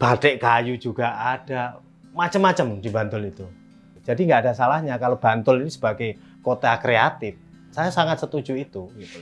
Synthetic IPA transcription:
b̥ad̥ɛʔkajud͡ʒuɡ̥aad̥a | mat͡ʃəmːat͡ʃəmd̥iba̤nt̪ʊlit̪u̥ | d͡ʒ̥adiŋɡaʔːdasalahɲakalob̥a̤nt̪ʊlinisə̥b̥aɡaj | kot̪akɾeat̪ɪf | sajasaŋat̪̚sət̪u̥d͡ʒuit̪uɡit̪u

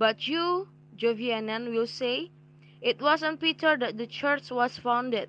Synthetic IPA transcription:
batʰju | d͡ʒoviɛ̃nɛ̃nwɪlse | ɪt̚wɔsə̃npitʰəɹdɛt̚dət͡ʃəɹt͡ʃwɔsfãw̃ndəd̚

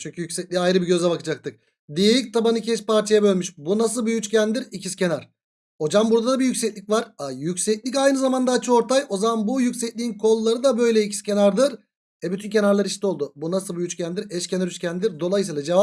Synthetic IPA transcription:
t͡ʃʰyɲcʰyjycʲsɛc̚ʲlʲiajɾɯbiɟø̞zɛbakɯd͡ʒak̚t̪ʰɯk̚ | d̪ijelʲic̚t̪ʰabanɯcʰɛʃpaɾt͡ʃʰajabø̞lʲmyʃbunasɯlˠbyjyt͡ʃcʰænd̪iɾicʰiscʰe̞naɾ̥ | o̞d͡ʒambuɾd̪ad̪abijycʲsɛclʲicvaɾajycʲsɛclʲicajnɯzamand̪aːt͡ʃʰɯo̞ɾt̪ʰajo̞zamanbujycsɛclʲiːinkʰo̞lˠːaɾɯd̪abø̞jlʲɛicʰi̥scʲe̞naɾd̪ɯɾ | ɛbyt̪ʰyncʰe̞naɾlˠaɾiʃt̪ʰɛo̞lˠd̪ubunasɯlˠbyjyt͡ʃcʰænd̪iɾɛʃcʰenaɾyscʰʲænd̪iɾd̪o̞lˠajɯsɯːlˠad͡ʒe̞va

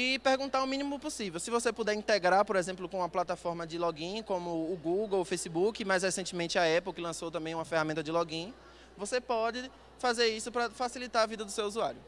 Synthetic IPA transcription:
ɪpeɾɡũt̪aɾʊmĩnĩmʊposivewsɪvosepud̪ɛɾĩt̪eɡɾaɾpoɾezẽmplʊkõũmɐplat̪afɔɾmɐd͡ʒɪlɔɡĩkõmʊːɡuɡowʊfejsibukɪmajs̬hesẽntt͡ʃɪmẽnt͡ʃɪaɛpowkɪlɐ̃sowt̪ɐ̃mbẽj̃ũmɐfehamẽnt̪ɐd͡ʒɪlɔɡĩ | vosepɔd͡ʒɪ | fazeɾisʊpɾɐfasilit̪aɾɐvid̪ɐd̪ʊsewuzuaɾjʊ

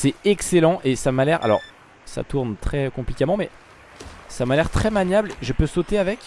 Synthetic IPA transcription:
sɛɛkselɑ̃ʔesamalɛʁa̰lɔ̰ʁ | sa̰t̪uʁnt̪χɛkɔ̃plikʲamɑ̃mɛ | samalɛʁt̪χɛmanjablʒəpøsot̪eavɛkʲ

